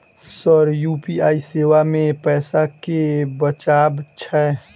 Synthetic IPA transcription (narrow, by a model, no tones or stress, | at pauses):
səɾjuːpiaːiseːʋamẽpɛːsakebət͡ʃaːbt͡ʃʰɛː